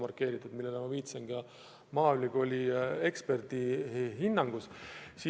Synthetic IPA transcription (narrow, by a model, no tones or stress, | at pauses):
mɑrkːˑe̞ːɾit̪ːˑud̪milːelemɑviːt̪senɡɑ | mɑːylʲiɡ̥o̞lʲie̞kspe̞rd̪̥iɦinːɑŋɡ̥ussi